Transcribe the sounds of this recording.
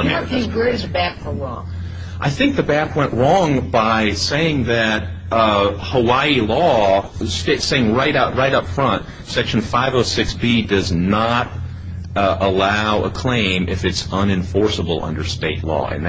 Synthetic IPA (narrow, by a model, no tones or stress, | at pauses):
iɹeɪzbækfə̃ɹɔ̃ŋ | ʔaɪθɪ̃ŋk̚ðɨbækwɛ̃nʔɹɔ̃ŋbaɪseɪɪ̃ŋðɨt̚ | həwaɪilɔ | steɪtseɪɪ̃ŋɹaɪɾaʊt̚ɹaɪɾʌpfɹʌ̃nt̚ | sɛkʃn̩faɪvoʊsɪksb̥idʌznəɾ | ʔəlaʊəkʰl̥ẽɪ̃mʔɪfɨtsʌ̃nɨ̃ɱfɔɹsəbl̩ˠʌ̰̃ndə˞steɪtˡlɔ̰ɨ̰̃nð